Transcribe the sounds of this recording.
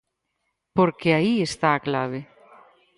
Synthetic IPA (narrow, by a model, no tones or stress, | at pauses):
poɾkeaiest̪aːklaβ̞e